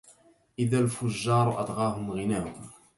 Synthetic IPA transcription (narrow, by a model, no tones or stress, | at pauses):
ʔɪðælfʊʒːɑːɾˤʔɑd̪ˤɣɑːɦʊmɣɪnæhʊm